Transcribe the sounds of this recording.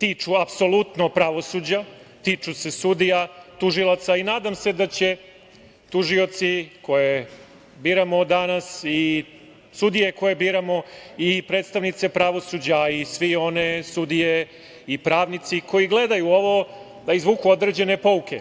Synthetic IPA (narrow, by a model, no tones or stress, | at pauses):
t̪iːt͡ʃuapso̞lut̪nopɾaʋo̞suːd͡ʑa | t̪iːt͡ʂuse̞sud̪ijat̪uʒilat̪sainaːd̪amse̞d̪at͡ɕe̞ | t̪uʒio̞t̪siko̞je | biːɾamo̞d̪anasi | sud̪ije̞ko̞je̞biːɾamo̞ipɾet̪st̪aʋnit̪se̞pɾaʋo̞suːd͡ʑaisʋio̞ne̞sud̪ije | ipɾaːʋnit̪siko̞jiɡle̞d̪ajuo̞ʋo̞ | d̪aizʋuːkuo̞d̪ɾe̞d͡ʑe̞ne̞po̞ukʰʲḛ